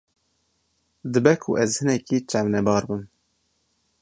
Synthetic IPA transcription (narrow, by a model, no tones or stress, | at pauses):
d̪ɨbɛkʰʊʔɛzhɨnɛkit͡ʃɑvnɛbɑːɾbɨm